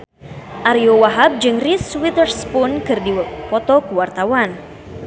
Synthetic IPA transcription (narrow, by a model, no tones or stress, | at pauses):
ʔaɾiowaɦab̚d͡ʒɨŋriswit̪ərspʊnkɨrdipɔt̪ɔkuwart̪awan